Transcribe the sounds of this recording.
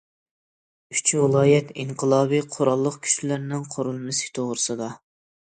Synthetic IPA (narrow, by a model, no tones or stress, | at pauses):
yt͡ʃʰwɪlˠɑːjɛt̪iɴqʰəlˠɑːbiqʰoɾɑlˠːəqkʲʰy̥ʃlæɾnɪŋqʰoɾulˠmɪsɪ̥kʲt̪ʰoʁɾɨsɨd̪ɑ